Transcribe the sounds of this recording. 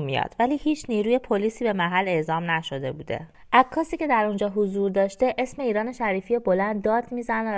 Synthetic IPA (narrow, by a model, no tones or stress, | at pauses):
mḭjɒ̰d̪̥væliːhiːt͡ʃʰniːɾuːje̞pʰoliːsiːbe̞mæɦælːe̞ʔzɒːmnæʃo̞d̪e̞buːd̪e̞̰ | ʔækʰːɒːsiːce̞d̪æɾond͡ʒɒːɦozuːɾd̪ɒːʃt̪e̞ʔesme̞iːɾɒːne̞ʃæɾiːfijebo̞lænd̪ːɒːd̪miːzæn